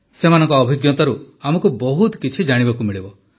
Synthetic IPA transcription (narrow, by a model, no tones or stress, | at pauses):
semanɔ̃ŋkɔːbʱiɡjɔt̪ɔɾu | amɔkubɔɦut̪kit͡ʃʰid͡ʒaɽ̃ibakumiɭibɔ